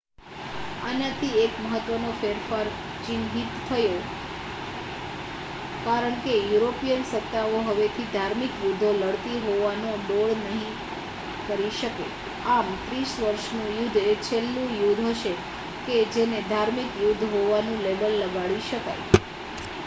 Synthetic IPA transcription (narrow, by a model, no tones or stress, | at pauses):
a̰nat̪ʰiekməɦət̪ːʋənofeɾfəɾ | t͡ʃinɦit̪tʰːəjo | kaɾəɳkejuɾopijənsət̪ːaʋoɦəʋet̪ʰid̪ʱaɾmikjud̪ʱoləɽt̪iɦoʋanoɖoɭnəɦĩ | kəɾiʃəkḛ | amt̪ɾisʋəɾʃnũjud̪ʱet͡ʃʰelːũjud̪ʱɦəʃe | ked͡ʒened̪ʱaɾmikjud̪ʱɦoʋanũleʋəlːəɡaɭiʃəka̰j